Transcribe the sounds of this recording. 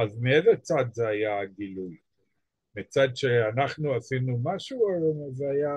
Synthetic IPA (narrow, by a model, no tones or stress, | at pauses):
azmiezet͡sad̪zeajaɡiluj | mit͡sad̪ʃeanaχnuasinumaʃumazeaja